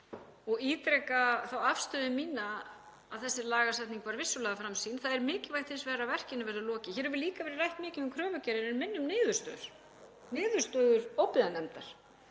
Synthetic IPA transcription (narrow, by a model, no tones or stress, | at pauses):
ɔɣiːt̪ɾɛkaθawafst̪œːðɪmiːnaː | ðθɛsːɪlaːɣasajt̪niŋkvaɾvɪsːʏlɛðafɾamsiːnθaðɛɾmɪːcɪvajht̪θɪnsvɛːɾavɛr̥cɪnɪvɛɾðɪlɔːcɪçɛːɾɛɾvɪliːkavɛːɾɪɾrajht̪mɪːcɪðʏmkʰɾœːvʏcɛɾɪnɪɾmɪnːʏmnɪːðʏɾ̥st̪œ̰ðʏɾ̥ | nɪːðʏɾ̥st̪œːɣʏɾowpɪðanɛmt̪aɾ̥